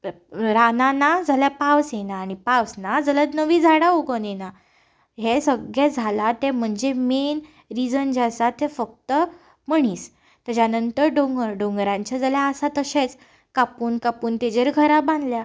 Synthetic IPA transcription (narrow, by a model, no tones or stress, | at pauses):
ɾananad͡zʱaljapawsjenaːɽ̃ipaʋsnad͡zələt̪nəʋiːd͡zʱaɽaoɡənena | ɦesəɡɭed͡zʱalat̪em̤əɳd͡zemen | ɾid͡zənd͡ʑasat̪ʰːefək̚t̪ə | m̤əɳ̃iːs | t̪əd͡ʑjanənt̪əɾɖõŋɡəɾɖõŋɡɾãɲt͡ɕjad͡zaljaəsat̪əɕet͡s | kapuːnkapuːnt̪ed͡ʑeɾɡʱəɾabãnd̪lja